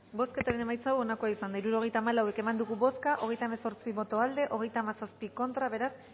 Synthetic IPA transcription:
bo̞ske̞t̪aɾe̞ne̞majt͡sawo̞nako̞aisand̪aiɾuɾo̞ɣ̞e̞jt̪aːmalawe̞ke̞mand̪uɣuβo̞skaʔo̞ɣ̞e̞jt̪aemeso̞ɾt͡siβo̞t̪o̞ald̪e̞ʔo̞ɣ̞e̞jt̪aːmasaspiko̞nt̪ɾaβe̞ɾas

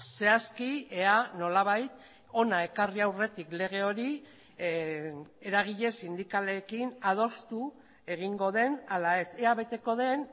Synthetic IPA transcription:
se̞askieano̞laβ̞ajt̪ | o̞nae̞kariawre̞t̪ikle̞ɣ̞e̞o̞ɾi | e̞ɾaɣ̞iʎe̞sind̪ikale̞kinað̞o̞st̪u | e̞ɣiŋɡo̞ð̞e̞nalae̞se̞aβe̞t̪e̞ko̞ð̞e̞n

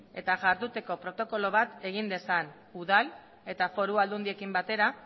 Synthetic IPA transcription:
e̞t̪aʝaɾðut̪e̞ko̞pɾo̞t̪o̞ko̞lo̞β̞at̪e̞ɣind̪e̞san | uðal | e̞t̪afo̞ɾuald̪und̪ie̞kimbat̪e̞ɾa

